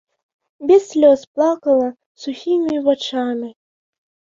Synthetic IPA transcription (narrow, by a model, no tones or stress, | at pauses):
bʲɛsːʲlʲɔsplˠakɐlˠɐ | suxʲimʲivat͡ʂamʲi